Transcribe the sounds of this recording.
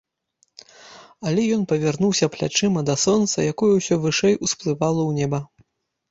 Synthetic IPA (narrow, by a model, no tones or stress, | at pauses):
alʲɛjɔnpɐvʲɛrnuwsʲɐplʲa̰t͡ʂɨmɐd̪ɐsɔnt̪sɐ̰jakɔjɛwsʲɔvɨʂɛjusplˠɨvalˠɐwnʲɛbɐ